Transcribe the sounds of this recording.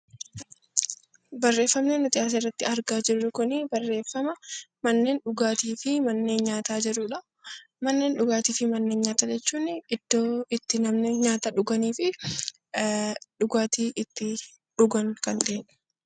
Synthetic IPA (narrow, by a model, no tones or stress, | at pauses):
bɐrːe̞ːfːɐmneːnːʊt̪ʼɪjaːs̬ɐrːɐt̪ːɪɐɾɡaːd͡ʒɪrːʊkʊnɪbɐrːe̞ːfːɐmɐmɐnːe̞ːnɗʊɡaːt̪iːfɪmɐnːe̞ːnɲaːt̪aːd͡ʒɪɾʊᶑɐ | mɐnːe̞ːnɗʊɡaːt̪iːfɪmɐnːe̞ːnɲaːt̪ad͡ʒɛt͡ʃːuːnɪɪd̪̥ːoːɪt̪ːɪnɐmneːnɲaːt̪ɐᶑʊɡɐniːfɪ | ᶑʊɡaːt̪iːʔɪt̪ːɪ | ᶑʊɡɐŋkɐnᶑ̪eːnɐ̥